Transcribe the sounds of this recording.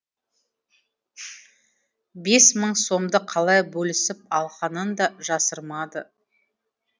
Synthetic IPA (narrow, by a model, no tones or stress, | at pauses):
be̞sməɴso̞md̪əqʰɑlˠɑjbɵlɪsɪp̚ɑlˠqɑnənd̪ɑʒɑsəɾmɑd̪ə